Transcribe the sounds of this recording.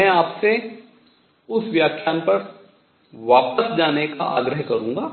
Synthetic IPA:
mɛ̃aːpse | ʊsʋjaːkʰjaːnpɐɾ | ʋaːpəsd͡ʒaːneka̰ʔa̰ːɡɾəɦkɐɾũːŋɡaː

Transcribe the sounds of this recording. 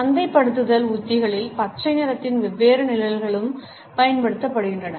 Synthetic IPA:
ɐnd̪ɐɪpːɐɽɯt̪̬ːɯðɐlʊt̪ːɪɣɐɭɪlpɐʈrɐɪneːɾɐt̪ːɪnʋɛʋːeːɾɯnɪlɐlɣɐɭɯm | pɐjɐnpɐɽɯt̪ːɐpːɐɽɯɣɪndrɐnɐ

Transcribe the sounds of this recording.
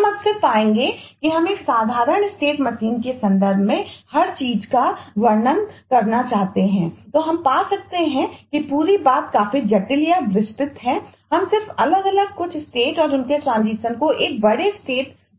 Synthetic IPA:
ɐmɐbsɪɾpaːẽːŋɡekiɦɐmeːksaːd̪ʱaːɾəɳ̃sʈeːʈmɐsiːnkesɐ̃nd̪əɾd̪ʱmẽhɐɾt͡ʃiːd͡ʒkaɡʋɐɾnənkɐɾnat͡ʃaːɦt̪eɦɛ̃ːt̪oːɦɐmpaːsɐk̚t̪eɦɛ̃kipuːɾibaːt̪̚kaːfid͡ʒɐʈɪljaʋɪst̪ɪt̪ɦɛ̃ɦɐmsɪɾfɐləɡɐləɡ̚kʊt͡ʃʰsʈeːʈɔːɾʊnkeʈɾãːnziːʃənkoʔeːk̚bɐɽesʈeːʈ

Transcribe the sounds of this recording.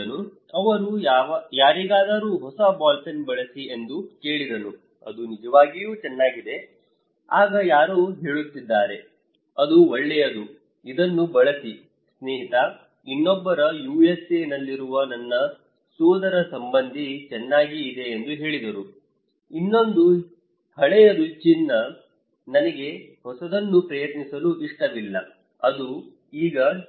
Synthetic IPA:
nu | ɐʋɐɾuaːjaːɾiɡaːd̪aːɾuːɦɔsɐbaːlsɐnbɐɭɐsie̞nd̪uke̞ːɭid̪ɐnu | ɐ̰d̪unid͡ʒɐʋaːɡijuːt͡ʃɛnːaːɡid̪e̞ | aːɡɐjaːɾuːɦeːɭut̪ːid̪ːaːɾe | ɐd̪uoɭːɛjɐd̪u | id̪ɐnːubɐɭɐsi | sneːɦit̪ɐ | inːɔbːɐɾɐjuːjeseːnɐlːiɾuʋɐnɐnːɐ | suːd̪ɐɾɐsɐmbɐnd̪ʱit͡ʃɛnːaːɡiːd̪e̞ːnd̪uɦe̞ːɭid̪ɐɾu | inːo̞nd̪u | tɐɭɛjɐd̪ut͡ʃinːɐ | nɐnɐɡe̞ | hɔsɐd̪ɐnːupɾɐjɐt̪nisɐluiʂʈɐʋilːɐ | ɐd̪u | iːɡɐ

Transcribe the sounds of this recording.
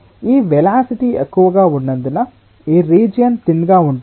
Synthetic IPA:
iːʋɛlaːsiʈiekːuʋɐɡaːuɳːɐnd̪inɐ | iːɾiːd͡ʒijɐnt̪inːɡaːuɳɖ

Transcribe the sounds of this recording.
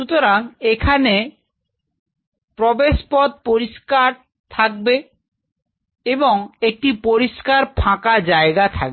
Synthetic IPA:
ʃut̪oɾaŋekʰane | pɾobeʃpɔd̪̚poɾiʃkaɾ | t̪ʰak̚be | eboŋek̚ʈipoɾiʃkaɾpʰãkad͡ʑaeɡat̪ʰa̰k̚be

